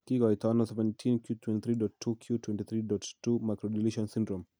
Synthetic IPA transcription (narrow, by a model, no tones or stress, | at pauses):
kiɡɔjtɔnɔsɛvɛ̃ntʰĩnkjutʰwɛ̃ntiθɾidɔttʰːukʰjutwɛ̃ntiθɾidɔttːumajkɾɔdiliʃɔ̃nsĩndɾɔm